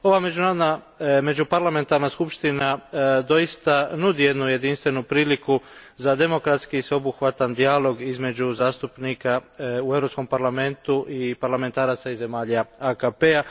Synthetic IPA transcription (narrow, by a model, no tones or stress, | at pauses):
o̞ʋame̞d͡ʒunaːɾod̪na | me̞d͡ʒupaɾlame̞nt̪aɾnaskupʃt̪inad̪o̞jist̪anud̪ije̞d̪nuje̞d̪inst̪ʋe̞nupɾiːlikuzad̪e̞mo̞kɾat̪skiːsʋeobuxʋat̪and̪ialo̞ɡizme̞d͡ʒuzaːst̪upniːkaue̞vɾopsko̞mpaɾlame̞nt̪uʔipaɾlame̞nt̪aːɾat̪saize̞maːʎaakapea